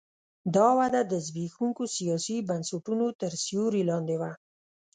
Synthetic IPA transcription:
d̪ɑwad̪ad̪əzbixuŋkosijɑsibansuʈunot̪əɾsijuɾilɑnd̪ewa

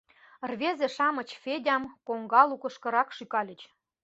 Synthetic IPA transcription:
rβezĕʃɑmɤ̆t͡ɕfedʲɑmkoŋɡɑlukɤ̆ʃkɤ̆ɾɑkʃykɑlʲə̆t͡ɕ

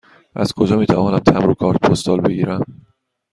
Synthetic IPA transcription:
ʔæ̰z̥kʰo̞d͡ʒɒːmiːt̪ʰævɒːnæmt̪ʰæmɾokʰɒːɾt̪̚pʰost̪ɒːlbe̞ɡiːɾæm

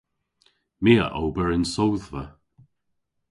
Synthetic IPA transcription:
miːə̰ʔowbəɹɪnsowðvə

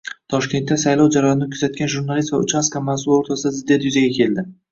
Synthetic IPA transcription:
t̪ʰɒʃkʲe̞nt̪ːasajlˠɒwd͡ʒaɾɒjnnɪkʰʊzat̪̚kʲanʒuɾnalist̪vaʊ̰t͡ʃaskamasʊlˠoɾt̪ʰasɪd̪azɪd̪ːjat̪jʊzaɡʲakʲʰe̞ld̪ɪ

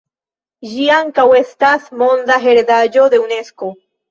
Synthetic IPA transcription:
ʒiaŋkawe̞st̪asmond̪aɦeɾed̪ad͡ʒo̞d̪e̞une̞sko̞

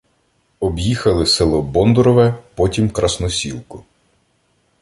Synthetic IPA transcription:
ɔbjixɐlˠɪsɪlˠɔbɔnd̪ɾɔʋɛpɔtʲimkɾɐsnɔsʲilˠkʊ

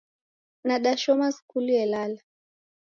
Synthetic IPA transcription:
naɗaʃɔmaskuliɛlala

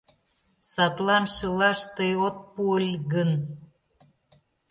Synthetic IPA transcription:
sɑt̪lɑnʃə̆lɑʃt̪əjot̪̚puəlʲɣən

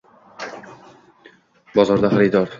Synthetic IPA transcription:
bɒzɒɾd̪aχaɾɪd̪ɒɾ

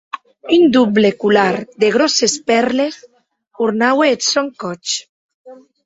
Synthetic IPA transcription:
ynd̪ublekulaɾd̪eɣ̞ɾɔsespɛɾles | uɾnaweːt̪soŋkɔt͡ʃ

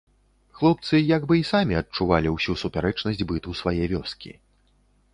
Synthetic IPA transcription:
xlˠɔp̚t̪sɨjaɡbɨisamʲiɐt͡ʂuvalʲiwsʲusupʲaɾɛt͡ʂnɐsʲd͡zʲbɨt̪usvajɛvʲɔskʲḭ

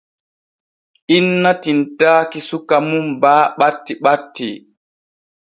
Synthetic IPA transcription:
ʔinːatintaːkisukamumbaːɓatːiɓatːi

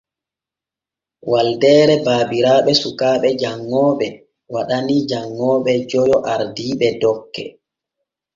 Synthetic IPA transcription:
waldɛːɾɛbaːbiɾaːɓɛsukaːɓɛd͡ʒaŋːɔːɓɛ | waɗanid͡ʒaŋːɔːɓɛd͡ʒɔjɔʔaɾdiːɓɛdɔkːɛ̰

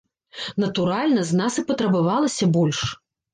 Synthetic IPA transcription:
nɐt̪uɾalʲnɐznasɨpɐt̪ɾɐbavalˠɐsʲɐbɔlʲʂ

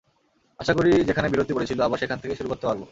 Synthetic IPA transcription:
aʃakoɾid͡ʑekʰanebiɾot̪ipoɾet͡ɕʰiloabaɾʃekʰant̪ʰekeʃuɾukot̪ːopabo

